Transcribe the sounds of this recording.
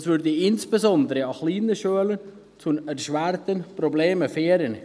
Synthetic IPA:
svʏɾdəɪnsb̥ezɔndəɾəɑχliːnəʃøələn | t͡sʊnɛɾʃvæɾtənprobleːməfeːɾən

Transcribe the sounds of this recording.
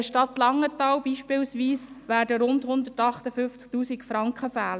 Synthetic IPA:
əʃtɑt̪lɑŋːətɑːlbiːʃpɪːlsʋiːsʋæːɾdəɾʊndhʊnd̪ətɑχtəfʏft͡sk̚tuːsikfɾɑŋkχəfæːlə

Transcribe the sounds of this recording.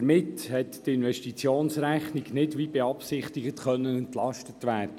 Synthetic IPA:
əɾmɪthɛttɪnʋɛʃtit͡sjoːnsɾæχniɡnɪdʋibeɑpsɪχt̪ɪɡətχœnːənɛnt̪lɑstət̪ʋæːrd̥ə

